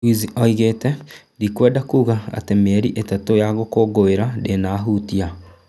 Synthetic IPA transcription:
iziɔiɣeːtɛ | dikwɛːdakuːɣaa̰temeɾiʔetatojaɣokoːɡoeɾadenaːɦutia

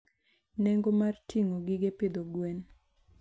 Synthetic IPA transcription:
nɛŋɡomartʰiŋoɡɪɡepɪd̪oɡwen

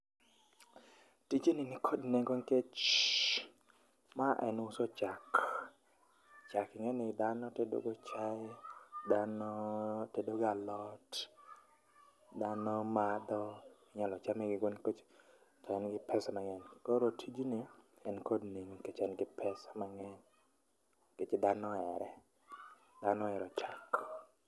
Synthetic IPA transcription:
tid͡ʒininɪkʰodneŋɡoŋket͡ʃ | maʔɛ̰nʊsot͡ʃak | t͡ʃakɪŋɛnɪd̪anɔtedo̰ɡot͡ʃaɪd̪anɔtedoɡalɔt | d̪anɔmad̪ɔɪɲalɔt͡ʃamɛɡɪɡonkot͡ʃ | tɔɛnɡɪpʰɛsamaŋɛnkɔɾotʰid͡ʒunɪ | ɛnkodniŋket͡ʃɛnɡɪpʰɛsamaŋɛn | ket͡ʃɪd̪anɔɛɾɛ | d̪anɔɛɾɔt͡ʃak

